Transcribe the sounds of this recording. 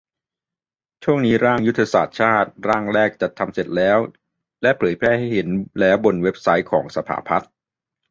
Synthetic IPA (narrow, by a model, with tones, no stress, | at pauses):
t͡ɕʰu˥˩əŋniː˦˥ɾaː˥˩ŋju˦˥t̪ʰːa˧saː˨˩t̪̚t͡ɕʰaː˥˩t̪̚ɾaː˥˩ŋɾɛː˥˩k̚t͡ɕa˨˩t̪ʰːa˧mse˨˩t̪̚lɛː˦˥w | lɛ˦˥pʰɤː˩˦jpʰɾɛː˥˩ha˥˩jhe˩˦nlɛː˦˥wbo˧nwe˦˥p̚sa˦˥jkʰɔː˩˦ŋsa˧pʰa̰ː˩˦pʰa˦˥t̪̚